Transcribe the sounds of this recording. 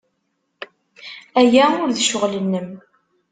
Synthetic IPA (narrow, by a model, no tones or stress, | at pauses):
æjæʊɾðʃʊʁlənːəm